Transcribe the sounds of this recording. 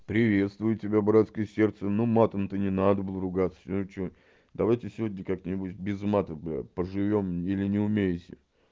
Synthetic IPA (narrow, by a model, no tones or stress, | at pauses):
pɾʲɪvʲe̞t̪st̪vʊjɪtʲɪbʲabɾat̪skəjəsʲe̞rt̪sənumat̪əmt̪ənʲɪnad̪əbɨlˠəɾʊɡat̪sə̥sʲt͡ɕo | d̪ɐvajtʲɪfsʲɪvodʲnʲəkaknʲɪbutʲbʲɪzmat̪əbpəʐɨvʲo̞milʲɪnʲɪʊmʲejɪtʲɪ